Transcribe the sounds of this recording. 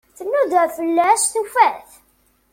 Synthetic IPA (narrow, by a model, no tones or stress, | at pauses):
θənːuðəfəlːæʃθufæθ